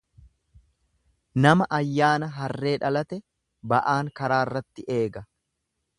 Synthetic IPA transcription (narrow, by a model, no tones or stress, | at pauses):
nɐmɐʔɐjːaːnɐɦɐrːe̞ːᶑɐlɐt̪ɛ | bɐʔaːŋkɐɾaːrːɐt̪ːɪʔe̞ːɡɐ